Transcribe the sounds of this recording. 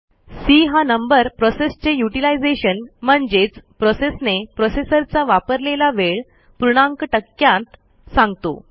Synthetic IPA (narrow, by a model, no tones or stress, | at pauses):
siɦanəmbəɾpɾɔsest͡ɕejuʈilajd͡zeɕənm̤əɳd͡zet͡spɾɔsesnepɾɔsesəɾt͡saʋapəɾlelaʋeɭ | pɾuɽ̃ãŋkʈəkːjãnt̪ | sãŋɡt̪o̰